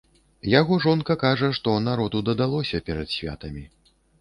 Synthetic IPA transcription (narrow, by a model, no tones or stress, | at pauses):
jaɣɔʐɔnkɐkaʐɐʂt̪ɔnaɾɔd̪ud̪ɐd̪alˠɔsʲɐpʲɛɾɐt̪sʲvʲa̰t̪ɐmʲi